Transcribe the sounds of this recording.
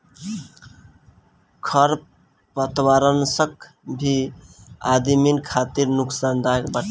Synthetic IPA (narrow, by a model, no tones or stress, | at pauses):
kʰəɾ | pət̪waɾənsək | bʱi | ad̪iminkʰat̪iɾnuksand̪aekbaʈ